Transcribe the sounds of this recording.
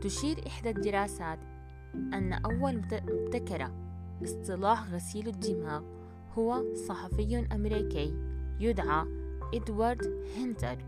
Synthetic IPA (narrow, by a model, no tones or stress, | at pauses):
t̪ʊʃiːɾʔɪħd̪ad̪ɪɾaːsaːt̪ | ʔanːa̰ʔawːalmʊbt̪akɑɾˤɑ̰ | ʔɨst̪ˤɨlɑːħɣasiːlad̪ːɪmaːɣ | hʊwasˤɑħɑfɪjːʊnʔamɾiːkijjʊd̪ʕaʔɪd̪wɑɾˤd̪hɪnt̪aɾˤ